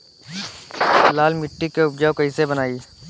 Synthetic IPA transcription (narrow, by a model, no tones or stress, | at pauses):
laːlmɪʈːikeʊp̚d͡ʒaːwkɐisebənaːi